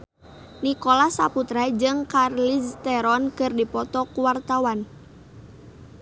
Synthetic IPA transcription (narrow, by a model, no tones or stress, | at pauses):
nikolasaput̪ɾad͡ʒɨŋkarlist̪ɛɾɔnkɨrdipɔt̪ɔkuwart̪awan